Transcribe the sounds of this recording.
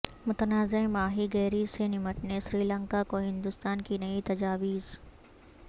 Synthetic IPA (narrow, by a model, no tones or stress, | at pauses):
mʊt̪ənaːzẽmaːɦiɡɛːɾisenɪməʈnesɾiːlə̃ŋkakoɦɪ̃nd̪ʊst̪aːnkinɐit̪ɐd͡ʒaːʋiːz